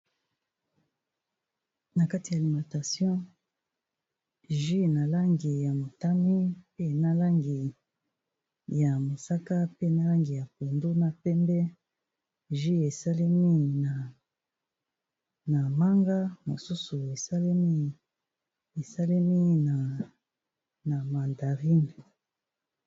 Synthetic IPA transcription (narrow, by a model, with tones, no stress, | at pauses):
na˨ka˦ti˨ja˨li˨mã˨ta˨sjɔ̃˦ | ʒi˦na˨la˦ŋɡi˨ja˨mo˨ta˦ni˦pe˦na˦la˦ŋɡi˨ | ja˨mo˨sa˦ka˦pe˦na˦la˦ŋɡi˨ja˨po˨ndo˦na˦pɛ˦mbɛ˦ | ʒi˦e˨sa˦li˦mi˦na˨ | na˨ma˦ŋɡa˦mo˨su˦su˨e˨sa˦l | e˨sa˦li˦mi˦na˨ | na˨ma˨nda˨ʁi˦ni˨